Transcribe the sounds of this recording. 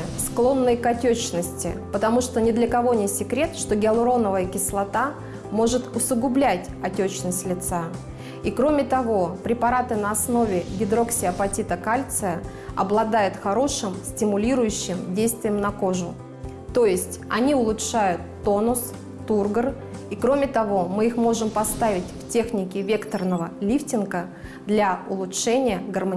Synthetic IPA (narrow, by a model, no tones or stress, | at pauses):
sklˠo̞nːəjkɐtʲɵt͡ɕnəsʲtʲɪ̰pət̪ɐmuʂt̪onʲɪd̪lʲəkɐvo̞nʲɪsʲɪkɾʲe̞t̪ʂt̪o̞ɡʲɪlˠɾo̞nəvəjəkʲɪslˠɐt̪a | mo̞ʐɨt̪ʊsʊɡʊblʲætʲɐtʲɵt͡ɕnəsʲtʲlʲɪt̪sa | ikɾo̞mʲɪt̪ɐvo̞pɾʲɪpɐɾat̪ɨnəɐsno̞vʲɪɡʲɪd̪ɾo̞ksʲɪɐpɐtʲit̪əkalʲt̪sɨjə | ɐblˠɐd̪ajʊt̪xɐɾo̞ʂɨmsʲtʲɪmʊlʲiɾʊjʉɕːɪmdʲejst̪vʲɪjəmnɐko̞ʐʊ | t̪o̞jɪsʲtʲɐnʲiʊlˠʊtʂajʊt̪ːo̞nʊsː | urɡər | ikɾo̞mʲɪt̪ɐvo̞mɨixmo̞ʐɨmpɐst̪avʲɪtʲftʲe̞xnʲɪkʲɪvʲe̞kt̪ərnəvəlʲiftʲɪnɡə | d̪lʲaʊlˠʊtʂɛnʲɪjəɡərmɐ